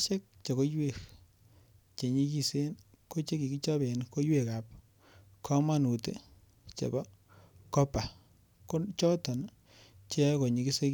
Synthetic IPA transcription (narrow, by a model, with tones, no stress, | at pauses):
t͡ʃe˦k̚t͡ʃe˨ko˦jwe˨k | t͡ʃe˨ɲi˦ki˦se˦nko˦t͡ʃe˦ki˨ki˦t͡ʃɔ˦be˨nko˦jwe˦˨ka˨p̚ | kʰɔ˦ma˦nu˨te | t͡ʃḛ˨ba˦ | kɔ˦pa˨ | ko˦t͡ʃɔ˦tɔ˨n | t͡ʃe˦ko˨ɲi˨ki˦se˦k